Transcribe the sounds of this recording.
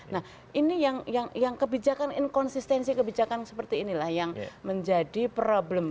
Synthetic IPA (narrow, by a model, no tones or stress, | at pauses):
nah | ʔinijaŋjaŋjaŋkəbid͡ʒakanɪnkɔnsist̪ɛnsikəbid͡ʒakansəpərt̪iːnilahjaŋməɲd͡ʒadipɾobləm